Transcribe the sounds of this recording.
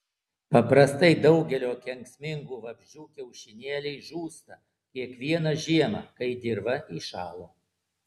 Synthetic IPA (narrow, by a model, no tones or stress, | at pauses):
pɐpɾɐst̪ɐɪd̪ɒʊɡʲɛlʲoːkʲɛŋksʲmʲɪŋɡuːʋɐbʲʒʲd͡ʒʲuːkʲɛʊʃʲɪnʲeːlʲɛɪʒuːst̪ɐ | kʲiɛkʋʲiɛnɐʒʲiɛmɐ̰kɐɪd̪ʲɪɾʋɐʔiːʃɑːlˠoː